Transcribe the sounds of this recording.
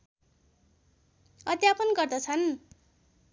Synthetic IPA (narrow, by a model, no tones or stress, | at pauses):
ʌd̪japʌnɡʌrd̪ʌt͡sʰʌn